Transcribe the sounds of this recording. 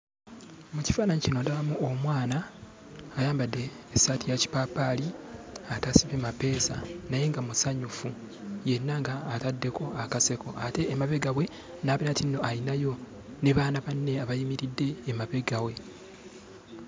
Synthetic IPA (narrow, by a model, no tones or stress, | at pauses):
muci̥faːnaɲicinodaamuo̞mwaːnaː | jaːmbadːe̞ːsatijaci̥paːpaliatasiβemape̞ːsa̰naje̞ŋɡamusaɲufu | je̞nːaŋɡaːtadːe̞ko̞akase̞koate̞ːmaβe̞ɡawe̞ | naːβenatinːo̞ʔalinajo̞ | neβaːnaβanːe̞aβajimiɾidːe̞ːmaβe̞ɡawe̞